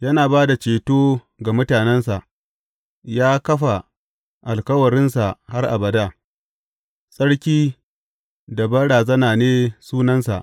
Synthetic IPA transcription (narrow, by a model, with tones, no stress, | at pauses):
jɐ˦naː˨baː˦da˨t͡ʃeː˨toː˦ | ɡa˨mʊ˦taː˨nɛ˦nsa˨ʔ | jaː˦kɐ˦ɸa˨ | ʔa˨lkɐ˦wɐ˨ɽɪ˦nsa˨ha˦rʔa˨bɐ˨da˦ | sʼɐ˦ɽkʲiː˦ | da˨bɐ˦ɽaː˨zɐ˦naː˨neː˦suː˦nɐ˦nsa̰˨ʔ